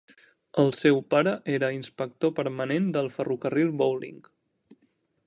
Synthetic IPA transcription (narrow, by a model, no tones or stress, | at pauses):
əlˠsɛwpaɾəʔeɾəinspək̚t̪opəɾmənend̪əlˠfərukərilˠbowlḭŋk